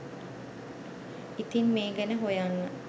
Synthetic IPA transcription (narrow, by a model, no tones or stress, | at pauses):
it̪inmeːɡɛnəɦojaŋː